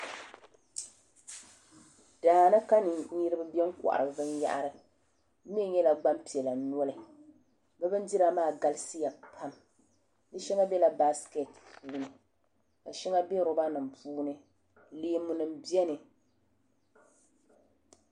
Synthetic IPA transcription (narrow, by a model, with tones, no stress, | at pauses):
d̥aː˨na˦ka˦nɨ˨˦ɲi˦ɾɨ˦bɨ˦bi˦ɛ˦ŋ˦kʊ̰˨ʔa̰˨ɾɨ˨bɨ˨˦bɨ˦nja̰˦ʔa̰˨ɾɨ˨˦ | mi˦ɛ˦˨ɲɛ˦la˨ɡ͡ba˦mpi˨ɛ˨la˨n˦ɔ˦lɨ˨ | bɛ˦bɨ˦n˦di˦ɾa˨maː˦˨ɡa˦lsi˦ja˨pʰa˦m | nɨ˦ʃɛ˦ŋa˦bɛ˦la˨ba˦ske˨tpuː˦nɨ˨ | ka˨ʃɛ˦ŋa˦bɛ˦ɾʊ˦ba˦nɨ˨mpuː˦nɨ˦ | le˨˦˨mu˨nɨ˨mbi˦ɛ˦nɨ˨